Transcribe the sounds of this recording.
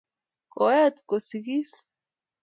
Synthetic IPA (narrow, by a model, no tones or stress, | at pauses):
koat̪kosiɡis